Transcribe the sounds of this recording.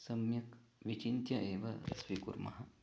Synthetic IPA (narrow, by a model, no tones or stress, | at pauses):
sɐmjɐk | ʋit͡ʃint̪jɐʔeːʋɐ̰sʋikṵɾmɐ̰ɦɐ